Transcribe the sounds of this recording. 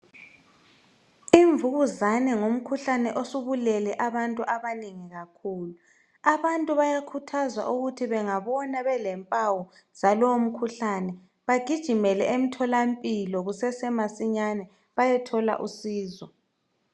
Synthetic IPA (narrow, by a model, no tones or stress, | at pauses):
iɱvuɣuzanɛŋom̩kʰuɬanɛʔosuβulɛlɛʔaβantʼuʔaβaniŋiɣakʰuːlu | aβantʼuβajakʰutʰazwa̰ʔuɣutʰiβɛŋaβɔnaβɛlɛmpʼawɔ | z̥alɔwom̩kʰuɬanɛ | βaɡ̥ʱid̥ʒ̥ʱimɛlɛʔem̩tʰɔlampʼilɔɣusɛsɛmasiɲanɛ | βajɛtʰɔla̰ʔusiːzɔ